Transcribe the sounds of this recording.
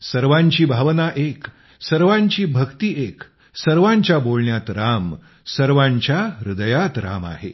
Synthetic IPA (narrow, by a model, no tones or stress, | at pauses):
səɾʋãɲt͡ɕiːbʱaʋnaʔek | səɾʋãɲt͡ɕiːbʱəkt̪iːʔek | səɾʋãɲt͡ɕjabolɳjat̪ɾam | səɾʋãɲt͡ɕjaɾud̪əjat̪ɾa̰ma̰ɦḛ